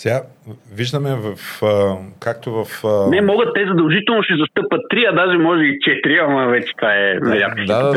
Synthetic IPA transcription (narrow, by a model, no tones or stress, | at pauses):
saviʒd̪ɐmɛvɐf | kak̚t̪ovɐfnɛmɔɡət̪ːɛzɐd̪ɐlˠʒit̪ɛlˠnoʃɛzɐst̪ɤpɐt̪ːɾiɐd̪aʒɛmɔʒɛit͡ʃɛt̪ɾiɐnavɛt͡ʃɛ̥t̪vaɛnɐɾʲat̪kəsɛa